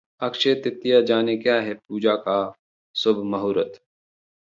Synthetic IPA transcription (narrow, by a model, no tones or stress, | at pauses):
ɐkʃet̪ɪt̪ːijad͡ʒaːnekjaːɦɛpuːd͡ʒaːka | sʊbʱmɐɦoːɾət̪